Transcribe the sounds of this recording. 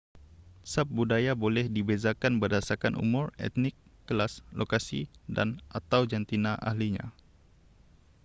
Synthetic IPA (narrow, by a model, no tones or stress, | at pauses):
sap̚budajabolɛhdibezakanbərdasarkanʔṵmʊrɛ̰t̪nɪkːəlaslokasḭda̰nʔat̪awd͡ʒant̪inaʔa̰hliɲa̰